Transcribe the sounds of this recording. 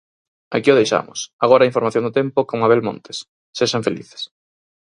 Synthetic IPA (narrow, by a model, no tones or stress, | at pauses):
akiʊð̞ejʃa̰mʊ̰saɣ̞ɔɾaiɱfoɾmaθjõŋd̪ot̪ɛmpʊkoŋmaβ̞elmõ̰nt̪e̥s | seʃaɱfelḭθe̥s